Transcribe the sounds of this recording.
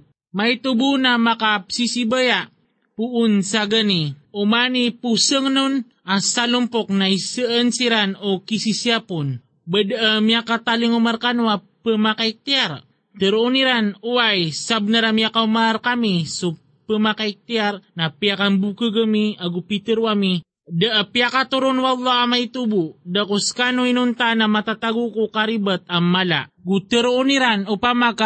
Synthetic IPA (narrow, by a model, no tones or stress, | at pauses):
majt̪ubunamakapsisibəja | puʔːnsaɡəniumanipusəŋnun | asalumpok̚naisəənsiɾanokisisiapun | bədəmiakat̪aliŋumarkanwa | pəmakaik̚t̪iaɾ | t̪əɾuniɾanuwajsab̚nəɾamiakaumarkamisu | pəmakaik̚t̪iarnapiakambukəɡəmiaɡupit̪əɾwami | daʔpiakat̪uɾʊnwɑlːɑamajt̪ubudakuskanuinunt̪anamat̪at̪aɡukukaɾibət̪̚amːala̰ɡut̪əɾuuniɾanupamaka